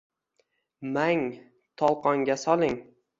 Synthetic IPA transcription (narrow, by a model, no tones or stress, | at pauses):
maŋ | t̪ʰɒlˠqʰɒŋɡʲasɒlˠɪŋ